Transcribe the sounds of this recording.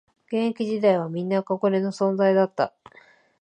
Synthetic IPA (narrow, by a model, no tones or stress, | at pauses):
ɡ̥ẽ̞ŋkʲiʑid̪aiβamʲĩnːakoɡoɾe̞no̞sõ̞nd͡zaid̪at̪ːa̰